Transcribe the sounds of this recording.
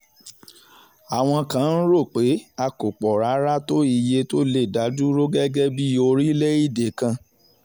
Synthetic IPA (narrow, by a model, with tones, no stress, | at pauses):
a˨w̃ɔ̃˧kã˨˦n̩˦ɾo˦˨k͡pe˨˦a˧ko˨k͡pɔ˨ɾa˨˦ɾa˦to˦i˧je˧to˦le˦˨da˨˦du˦ɾo˦ɡɛ˦ɡɛ˦bi˦o˧ɾi˦le˦i˦˨de˨kã˧